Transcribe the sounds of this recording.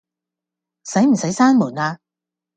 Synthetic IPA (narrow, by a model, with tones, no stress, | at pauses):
sɐ˨˥jm̩˨˩sɐ˨˥jsaː˥nmuː˨˩naː˧